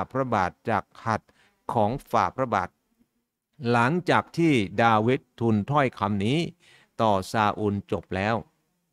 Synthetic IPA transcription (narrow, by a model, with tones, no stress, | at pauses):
pʰɾa˧baː˨˩t̪̚t͡ɕaː˨˩kʰːa˨˩t̪̚ | kʰɔː˩˦ŋfaː˨˩pʰɾa˧ba̰ː˨˩t̪̚ | la˩˦ŋt͡ɕaː˨˩k̚t̪ʰiː˥˩daː˧wi˦˥t̪ʰːu˧nt̪ʰɔ˥˩jkʰa˧mniː˦˥ | t̪ɔː˨˩saː˧ʔuː˧nt͡ɕo˨˩p̚lɛː˦˥w